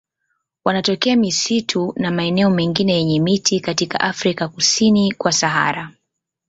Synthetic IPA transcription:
wanatɔkɛamisitʰunamaɛnɛɔmɛŋɡinɛjɛɲɛmitikatika̰ʔafɾikakusinikwasaɦa̰ɾa

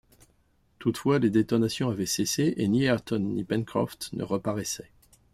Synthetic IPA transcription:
t̪ut̪fwaled̪et̪ɔnasjɔ̃avɛseseʔeniɛʁt̪ɔnːipɛ̃nkχɔ̰ft̪nʔə̰ʁəpaʁɛsɛ

